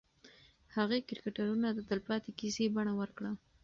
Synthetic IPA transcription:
haɣekɪɾikaʈaɾunad̪əd̪əlpɑt̪ekisebaɳawəɾkɽa

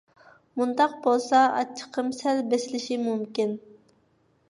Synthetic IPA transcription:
mund̪ɑq̚bolˠsɑɑ̰t͡ʃʰːə̥qʰːəmsælbesɪlɪʃimumkʲin

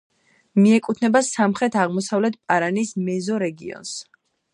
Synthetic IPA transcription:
miɛkʼut̪ʰnɛbasamχɾɛt̪ʰaʁmɔsavlɛt̪ʰpʼaɾanismɛzɔɾɛɡiɔ̰ns

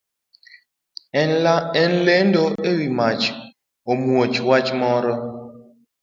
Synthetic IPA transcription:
ɛnlendoʔewimat͡ʃ | omuot͡ʃwat͡ʃmɔɾɔ

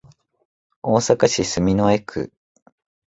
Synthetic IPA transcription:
oːsakaɕisɨmʲinoekʰɯ̟̰

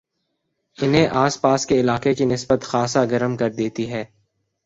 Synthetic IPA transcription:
ɪnɦẽʔaːspaːskeɪlaːqekinɪsbət̪xaːsaɡɐɾəmkɐɾd̪eːt̪iɦɛː

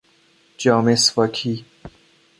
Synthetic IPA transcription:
d͡ʒɒːmesfɒːkʰiː

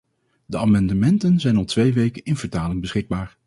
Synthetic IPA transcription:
dəaːmɑndəmɛntənzɛjnɑlˠtʋejʋejkənɪnv̥əɹtaːlɪŋbəsχɪɡ̚baːɹ

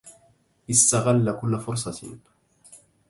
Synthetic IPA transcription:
ʔɪst̪aɣalːakʊlːafʊɾsˤɑt̪

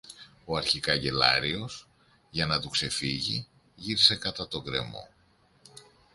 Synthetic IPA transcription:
o̞ɐɾçikɐɟe̞lɐ̰ɾio̞s | ʝɐnɐt̪ukse̞fiʝi | ʝiɾise̞kɐt̪ɐt̪o̞ɡɾe̞̰mo̞̰

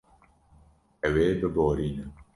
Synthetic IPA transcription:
ɛweːbɨboːɾiːnɨ

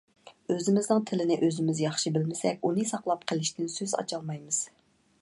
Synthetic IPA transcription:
øzɪmɪznɨŋt̪ʰɪlɪnɪʔøzɪmɪzjɑχʃibɪlmɪsɛkʲunɨsɑqlˠɑp̚qʰəlˠɪʃt̪ɪnsøzɑ̰t͡ʃʰɑlˠmɑjmɨz̥

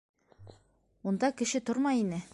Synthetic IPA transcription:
und̪ɑkɘ̆ʃɘt̪oɾmɑjinɘ

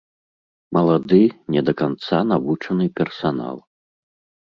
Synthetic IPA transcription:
mɐlˠad̪ɨnʲɛd̪ɐkant̪sanavut͡ʂɐnɨpʲɛrsana̰lˠ

